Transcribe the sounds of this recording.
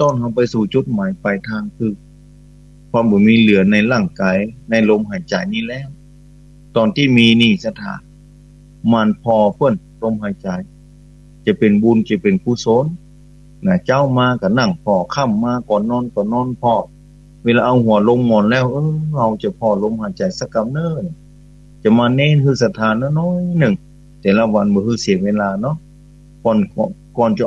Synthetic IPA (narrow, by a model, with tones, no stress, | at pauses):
t̪ɔː˧˥˨nha˧wpa˧˨jsuː˧˩t͡ɕo˧˦t̪̚maː˨˦jpa˨jt̪ʰaː˧ŋt̪ʰɯ˧k̚ | kʰɔ˧˨mbɔː˨˦miː˧˨lɯ˨˦ɐna˧˩jla˧˩ŋkaː˨˦jna˧jlo˧mɦa˨˩jt͡ɕa˨˩jniː˧˨lɛː˧˥˨w | t̪ɔː˨nt̪ʰiː˧˥˨miː˧niː˧˩sa˧t̪ʰa̰ː˨˩˦ | ma˧˨npʰɔː˧pʰɤ˧˥˩n | lo˧˨mɦa˧˩jt͡ɕa˨˦j | t͡ɕa˧˩pe˨nbu˧nt͡ɕa˧˩pe˨nkʰuː˧˨so˧˥˨n | na˧˩t͡ɕa˧˨wmaː˧ka˧˩na˧˩ŋpʰɔː˧˩kʰa˧˩˨mːaː˧˨kɔː˨˩nːɔː˧˥˨nkɔ˧˩nɔː˧˥˨npʰɔː˧˩ | weː˧laː˧ʔa˧whu˧˨˦ɐlo˧˥˨mːɔː˧˨nlɛː˧˥˨wʔɤː˧ha˧wt͡ɕa˧˩pʰɔː˧lo˧˥˨mha˧˩jt͡ɕa˨jsa˧ka˧m̚nɤː˧˨n˨˩ | t͡ɕa˧˩maː˧nɛː˧˥˨nhɯː˧˨sa˧t̪ʰaː˨˧˨na˧˨nɔː˧˥˩jnɯ˧˩ŋ | t̪ɛː˨la˧wa˧˨nbɔː˧hɯ˧˨si˨˦əŋweː˧˨laː˧nɔ˧˥˨ | pɔː˧˩˨nkːkɔː˧˨nt͡ɕa˧